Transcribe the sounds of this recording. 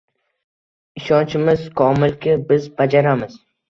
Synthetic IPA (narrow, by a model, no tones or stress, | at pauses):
ɪʃɒnt͡ʃɪmɪzkʰɒmɪlkʲɪbɪzbad͡ʒaɾamɪz̥